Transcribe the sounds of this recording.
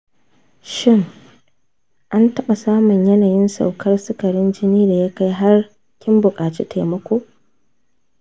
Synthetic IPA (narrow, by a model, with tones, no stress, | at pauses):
ʃɪ˦ŋ | ʔa˦ntɐ˦ɓa˨saː˦mʊ˨ɲjɐ˦naː˨jɪ˦nsa̰˨wkʰɐ˦rsɪ˦kɐ˨ɾɪ˦nd͡ʒɪ˦niː˦da˨ja˦ka˦jɦa˦r | kʲɪ˦mbʊ˨kʼaː˨t͡ʃḭː˦tʰa˨mɐ˦kʷoː˦